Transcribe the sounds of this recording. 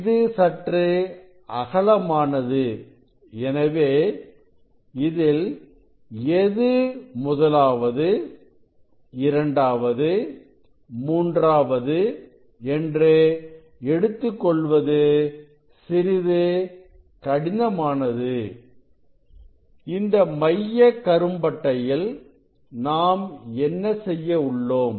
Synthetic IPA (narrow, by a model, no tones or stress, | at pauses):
ðɯsɐʈrɯ | ɐɣɐɭɐmaːnɐðɯ | ɛnɐʋeː | ɪðɪl | ɛðɯmʊðɐlaːʋɐðɯ | ɪɾɐɳɖaːʋɐðɯ | muːndraːʋɐðɯ | ɛndreː | ɛɽɯt̪ːɯkːɔɭʋɐðɯ | sɪɾɪðɯ | kɐɽɪnɐmaːnɐðɯ | ɪnd̪ɐmɐjːɐkːɐɾɯmbɐʈːɐjɪl | naːmɛnːɐsɛjːɐʊɭːoːm